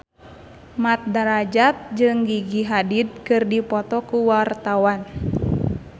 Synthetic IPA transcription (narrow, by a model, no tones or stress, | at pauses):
mat̪̚daɾad͡ʒat̪̚d͡ʒɨŋɡiɡiɦadid̚kɨrdipɔt̪ɔkuwart̪awan